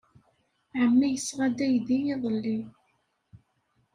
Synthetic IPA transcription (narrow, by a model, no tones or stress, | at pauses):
ʕəmːijəsʁɑd̪æjðijɪðˤəlːi